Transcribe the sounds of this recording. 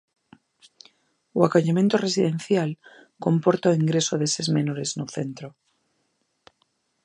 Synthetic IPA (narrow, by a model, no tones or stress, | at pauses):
uakoʎamẽ̞nt̪ore̞siðẽ̞nθjal | ko̞mpo̞ɾt̪awiŋɡɾe̞soðese̞zmẽ̞noɾe̞znoθe̞nt̪ɾo